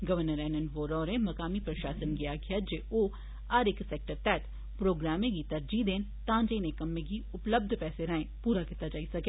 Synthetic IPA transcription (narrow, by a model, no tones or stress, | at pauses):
ɡɐʋəɾnəɾɛːnənɖʋoːɾɔːɾẽmɐkaːmipɾɐʃaːsənɡɪjaɡjad͡ʒeʔo | aɾɪkseːk̚ʈəɾt̪ɛːt̪ | pɾoːɡɾaːmẽkit̪ɐɾd͡ʒid̪eːn | t̪ãːnd͡ʒenekɐmːẽɡiʊpləb̚d̪ʱpɛːseɾɐẽpuːɾakit̪ːad͡ʒaːisɐkeː